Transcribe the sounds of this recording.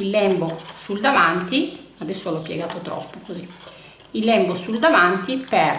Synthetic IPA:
ilːɛmbosuld̪avant̪i | ad̪ɛsːoɛlɔpːjɛ̰ɡaːt̪ot̪ɾɔ̰pːokozi | ilːɛmbosuld̪avant̪ipɛr

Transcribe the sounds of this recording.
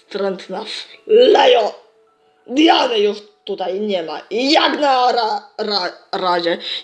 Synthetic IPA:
t̪ɾɛnt̪naflɛjɔ | d̪ijanɛjɔʃt̪ut̪ajɲɛma̰jaɡnaɾaɾaɾad͡ʒɛ

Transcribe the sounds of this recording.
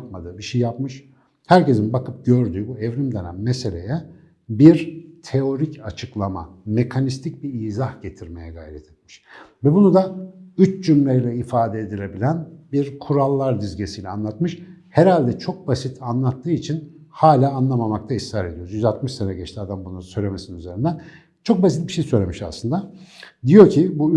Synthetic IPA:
pmad̪ɯːbiʃejːjap̚mɯʃ | hæɾce̞zinbakɯp̚ɟøɾd̪yːbuɛvɾimd̪enæ̰nmese̞lʲḛjɛ | biɾt̪ʰe̞o̞ɾicat͡ʃʰɯklˠama̰mekʰanist̪ʰic̚biiːzahɟ̥et̪ʰiɾmejɛɡa̰jɾɛt̪ʰɛ̥t̪̚miʃvɛbunud̪ayt͡ʃd͡ʒymlʲejlʲɛifaːd̪ɛːd̪ilʲebilʲænbiɾkʰuɾalˠːaɾd̪yzɟesijlʲɛanlˠat̪mɯʃhɛɾalʲd̪ɛt͡ʃʰo̞k̚basit̪ʰanlˠat̪ʰːɯːit͡ʃʰinhaːlʲaːnlˠamamak̚t̪ʰaisːaːɾe̞d̪ijo̞ɾuzjyzat̪mɯʃsenɛɟɛt͡ʃt̪ʰiad̪ambunusø̞jlʲemesininyze̞ɾind̪æn | t͡ʃʰo̞k̚basit̪̚biʃe̞jsøjlʲemiʃa̰slˠɯnd̪ad̪ijo̞cʰibu

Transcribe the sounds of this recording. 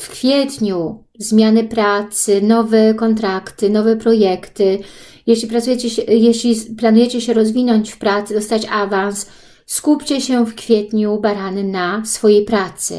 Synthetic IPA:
fkfʲjɛt̪ɲu | zmʲjanɘpɾat̪sɘnɔvɛkɔnt̪̬ɾakt̪ɘnɔvɛpɾɔjɛkt̪ɘ | jɛɕlʲipɾat̪sujɛt͡ɕɛɛjɛɕlʲiplanujɛt͡ɕɛɕɛɾɔzvʲinɔɲt͡ɕfpɾat̪sɘd̪ɔst̪at͡ɕavans | skupʲt͡ɕɛɕɛfkfʲjɛt̪ɲubaɾanɘnasfɔjejpɾat̪sɘ̰

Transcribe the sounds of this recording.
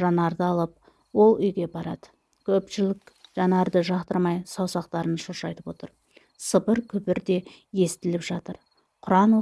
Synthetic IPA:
ʒɑnɑɾd̪əɑlˠəp̚ | wo̞lˠʏjɡʲe̞bɑɾɑ̰d̪̥ə | kʲʰɵpʃɪlɪkʒ̥ɑnɑɾd̪əʒɑqt̪əɾmɑjsɑwsɑq̚t̪ɑɾənʃoʃɑjt̪əpwo̞t̪əɾ | səpəɾkʲʰʏpɪɾd̪e̞ | je̞st̪ɪlɪpʒ̥ɑt̪əɾ | qʰʊɾɑn

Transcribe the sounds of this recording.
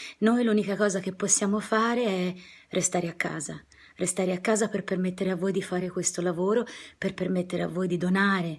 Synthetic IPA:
nojluːnikakɔːzak̟epːosːjaːmofaːɾeɛrʔest̪aːɾeakːa̰ːza | rʔest̪aːɾeakːaːzaperpermet̪ːeɾeavːoːjd̪ifaːɾekwest̪olavoːɾoperpermet̪ːeɾea̰vːoːjd̪id̪onaːɾe

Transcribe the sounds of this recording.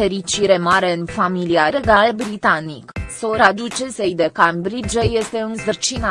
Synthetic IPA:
eɾit͡ʃiɾemaɾe̞ɨnfamiliaɾeɡalbɾit̪aniksoɾad̪ut͡ʃesejd̪ekambɾid͡ʒeje̞st̪e̞ɨnsɨrt͡ʃin

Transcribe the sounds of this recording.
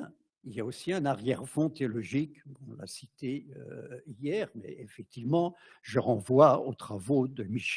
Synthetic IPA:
iljaosiɛ̃naʁjɛʁfɔ̃t̪eɔlɔʒikbɔ̃la̰sit̪eøijɛʁmɛ̰efɛk̚t̪ivmɑ̃ʒəʁɑ̃vwaot̪χavod̪əmiʃ

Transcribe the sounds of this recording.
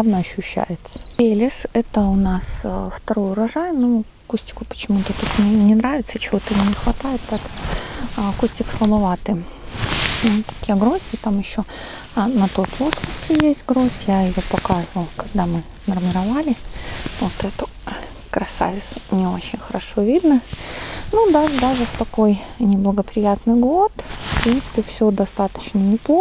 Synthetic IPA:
avnəɐɕːʉɕːæ̰jɪt̪sə̥elʲɪsɛt̪əʊnasft̪ɐɾojʊɾɐʐajɪnu | kusʲtʲɪ̥kʊpə̥t͡ɕɪmut̪ət̪ut̪nʲɪnʲɪnɾavʲɪt̪sət͡ɕɪvo̞t̪ɨnʲːɪxvɐt̪ajɪt̪pɛt̪ə̥ | kusʲtʲɪkslˠəbɐvat̪ɨ | t̪ḁkjaɡɾo̞zʲdʲɪt̪amjɪɕːo | nɐt̪o̞jplˠo̞skəsʲtʲɪjesʲtʲɡɾo̞zʲtʲjaɪjopɐkazəvəlˠkɐɡ̚d̪amɨ | nərmʲɪɾɐvalʲɪvot̪ɛt̪ʊ | kɾɐsa̰vʲɪt̪snʲɪo̞t͡ɕɪnʲxəɾɐʂo̞vʲid̪nə | nud̪aʐd̪aʐɨft̪ɐko̞jnʲɪblˠəɡəpɾʲɪjat̪nɨjɡo̞t̪fpɾʲint̪sɨ̥pʲɪfsʲɵd̪ɐst̪at̪ə̥t͡ɕnənʲɪp̪ˠo

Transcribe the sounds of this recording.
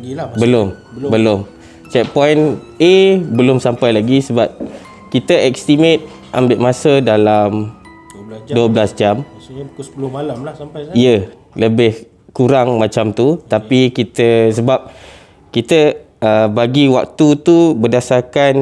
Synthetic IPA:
bəlʊmbəlʊm | t͡ʃɛk̚pɔjnebəlʊmsampajlaɡisəbap̚ | kit̪əʔɛkst̪imet̪̚ | ʔambɪʔmãsədalam | duəblasd͡ʒam | ijə | ləbɪh | kuɾaŋmãt͡ʃamt̪ut̪apikit̪əsəbap̚ | kit̪ə | əbaɡiwak̚t̪ut̪ubədasarkan

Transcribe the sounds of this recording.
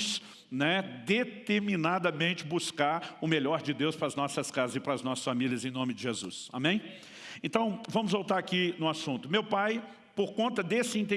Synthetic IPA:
s | nɛd̪et̪eɾminad̪ɐmẽnt͡ʃɪbuskaɾʊmeʎɔɾd͡ʒɪd̪ewspɾɐznɔsɐskazɐzɪpɾɐznɔsɐ̥sfamiliɐzẽj̃nõmɪd͡ʒɪʒezṵsa̰mẽj̃ | ẽnt̪ɐ̃w̃vɐ̃mʊzvowt̪aɾakinʊ̃asũnt̪ʊmewpaj | poɾkõnt̪ɐd̪esɪĩnt̪̬ẽ

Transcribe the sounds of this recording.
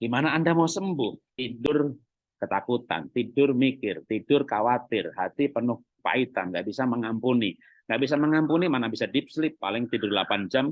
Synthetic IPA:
ɡ̥imanaːndamausəmbʊht̪idʊr | kət̪akut̪a̰nt̪idʊrmikɪrt̪idʊrkawat̪ɪrɦat̪ipənʊh | pa̰it̪a̰nɡaʔbisaməŋampuni | ŋɡaʔbis̬aməŋampunimanabisadɪp̚slɪpːa̰lɪŋt̪idʊrlapand͡ʒam

